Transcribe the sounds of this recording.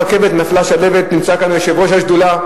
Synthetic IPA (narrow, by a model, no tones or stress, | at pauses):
ʁke̞ve̞t̪naflaʃale̞vet̪nimt͡sakanojeʃevʁo̞ʃhaʃd̪ula